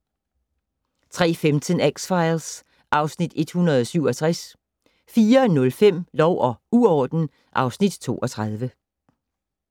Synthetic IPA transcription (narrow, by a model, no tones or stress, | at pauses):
t͡sʰʁɛ̰ːfemt͡sʰənæɡ̥sfɑ̈ɪls | ʔɑ̈ʊsnid̥e̝d̥hunɐðˠɒ̽syʊ̰ɒ̽t͡sʰʁas | fiːɐnɔ̽lfem̰lɒʊ̰ʔɒ̽uɒːd̥n̩ | ʔɑ̈ʊsnid̥t͡sʰo̝̰ːɒ̽t͡sʰʁɑð̞ˠʋə